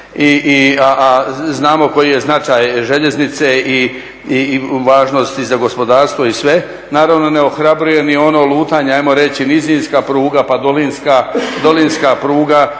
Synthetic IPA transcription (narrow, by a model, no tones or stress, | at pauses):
iʔiaʔaznaːmo̞ko̞jije̞znat͡ʃaːjʒeʎe̞znit̪se̞i | iʋaːʒno̞st̪izaɡo̞spo̞d̪aːɾst̪ʋo̞isʋe̞ | naːɾaʋno̞ne̞o̞xɾabɾuje̞nio̞no̞lˠuːt̪aːɲeajmo̞ɾe̞t͡ɕinizinskapɾuːɡapad̪olinskad̪o̞linskapɾuːɡa